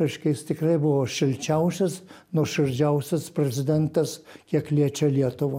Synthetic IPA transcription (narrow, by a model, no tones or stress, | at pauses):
ɪʃkɐɪst̪ʲɪkrɐɪbʊʋoːʃʲɪlʲt͡ʃʲɛʊsʲɐsnuɔʃɪɾʲd͡ʒʲɛʊsʲɐspʲɾʲɛzʲɪd̪ʲɛnt̪ɐskʲiɛklʲiɛt͡ʃʲɛlʲiɛt̪ʊʋo